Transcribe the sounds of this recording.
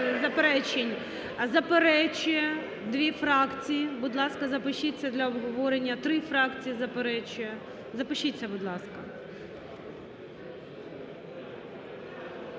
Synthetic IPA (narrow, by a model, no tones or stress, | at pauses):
zɐpeɾɛt͡ʃenʲ | zɐpeɾɛt͡ʃʊjɛ | d̪ʋʲifɾɑkt͡sʲijibud̪lˠɑskɐzɐpɪʃit͡sʲːɐd̪lʲɐɔbɦɔʋɔɾenʲːɐt̪ɾɪfɾɑkt͡sʲijizɐpeɾɛt͡ʃʊjɛ | zɐpɪʃit͡sʲːɐbud̪lˠɑskɐ